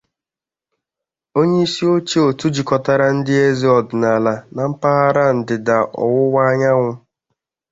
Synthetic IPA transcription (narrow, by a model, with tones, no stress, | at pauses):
o˦ɲe˦i˦si˦o˦t͡ʃi˦o˨tu˦d͡ʒi˨kɔ˨ta˦ɾa˦n̩˦dɪ˦e˦zi˦ɔ˨dɪ˨na˨la˨na˨m̩˦pa˦ɣa˦ɾa˦n̩˨dɪ˨da˨ʔɔ̰˨wʊ˦wʷa˦ɲa˦ŋʷʊ˦